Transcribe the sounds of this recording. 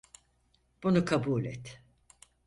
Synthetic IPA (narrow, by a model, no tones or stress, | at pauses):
b̥unukʰabuːlʲɛ̰t̪